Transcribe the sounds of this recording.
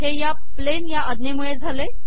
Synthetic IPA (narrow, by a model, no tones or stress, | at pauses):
ɦeja | plenjaʔəd̪nemuɭed͡zʱale